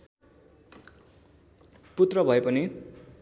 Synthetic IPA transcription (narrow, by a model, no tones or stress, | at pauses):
put̪rʌbʱʌepʌni